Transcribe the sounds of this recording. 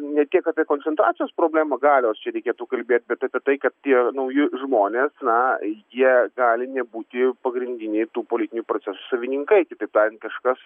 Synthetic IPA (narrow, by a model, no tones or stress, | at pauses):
nʲɛt̪̚tʲiɛkɐpʲiɛkoːnʲsʲɛnt̪ɾɑːt͡ssʲɪjoːspɾoːbʲlʲæːmɐɡɑːlʲɪoːst͡ʃʲɛɾʲɛɪkʲeːt̪uːkɐlʲbʲeːt̪̚ʲbʲɛt̪ɐpʲɛt̪ɐɪkɐt̪̚t̪ʲiɛnɐʊjɪʒmoːnʲeːsnɐjiɛɡɑːlʲɪnʲɛbuːt̪ʲɪpɐɡɾʲɪnʲd̪ʲɪnʲɛɪt̪uːpoːlʲɪt̪ʲɪnʲupɾoːt͡s̪ʲɛsu̥sɐʋʲɪnʲɪŋkɐɪkʲɪt̪ɐɪp̚t̪ɑːɾʲɪnkɐʃkɐs